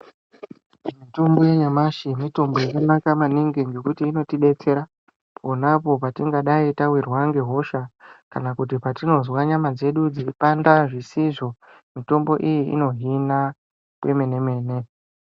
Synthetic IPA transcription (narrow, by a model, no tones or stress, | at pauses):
mito̞mbo̞je̞ɲamaʃimito̞mbo̞jakanakamaniŋɡind͡ʒe̞kutiːno̞tiɗe̞t͡se̞ɾa | pʰo̞napo̞patiŋɡaɗaitawirwaŋɡe̞ɦo̞ʃakanakutipatino̞zwaɲamad͡ze̞ɗud͡ziipandaʐisiʐo̞ | mito̞mbo̞ʔijiḭno̞ɦina | pwe̞me̞ne̞me̞ːne̞